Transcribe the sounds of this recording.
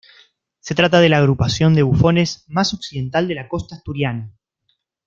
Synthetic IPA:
se̞t̪ɾat̪að̞e̞laːɣɾupasjo̞nd̪e̞βufo̞ne̞zmaso̞ksiðe̞nt̪ald̪e̞lako̞st̪ast̪uɾjana

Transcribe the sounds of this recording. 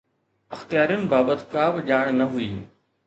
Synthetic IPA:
ɐxt̪ijaːɾijʊnɪ̆baːbət̪kaːbʄaːɽ̃nɐɦʊiː

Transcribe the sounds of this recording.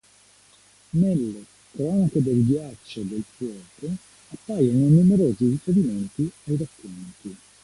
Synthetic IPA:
nelːe | kɾɔːnaked̪elɡjat͡ʃːod̪elfɔːk̪o | apːajononumeɾoːzirifeɾiment̪iajrakːont̪i

